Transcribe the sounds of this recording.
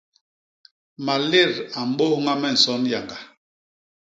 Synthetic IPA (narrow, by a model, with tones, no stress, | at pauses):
ma˨le˦˨ɾa˨m̩˦ɓo˦hŋa˦mɛ˦˨n̩˨sɔ˦nja˨ŋɡa˨